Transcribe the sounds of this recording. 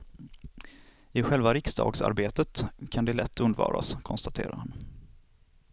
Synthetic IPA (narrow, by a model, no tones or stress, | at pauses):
ɪɧɛlvaɾɪksd̪ɑ̰ːɡsa̰ɾbeːt̪ət̪kʰand̪ɛlɛt̪ʰːɵnd̪vɑ̰ːɾa̰skʰɔnst̪at̪ʰḛːɾa̰ɾhan